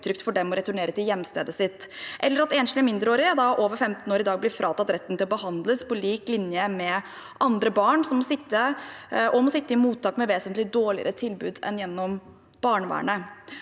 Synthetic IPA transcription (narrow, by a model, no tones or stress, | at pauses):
t̪ʰɾʏk̚t̪fɔɖɛmɔɾɛt̪ʊɳeːɾət̪ɪljɛmːst̪ḛːd̪əsɪt̪ːʔɛlːəɾɑt̪eːnʃlɪəmɪnd̪ɾəoːɾɪəd̪ɑʔoːʋəɾfɛmt̪n̩oːɾɪd̪ɑːɡblɪɾfɾʔɑːt̪ɑt̪ɾɛt̪ːn̩t̪ɪlɔbəhɑnd̪ləspʰɔliːklɪnjəmɛ | ʔɑnd̪ɾəbɑːɳsɔmːɔsɪt̪ːəʔɔmɔsɪt̪ːəɪmuːt̪ʰːɑːkmɛʋeːsənt̪lɪd̪oːɭɪ̰ə̰ɾət̪ʰɪlbʉ̰ːd̪ɛ̰njɛnːɔm | b̥ɑːɳʋæ̰ːɳə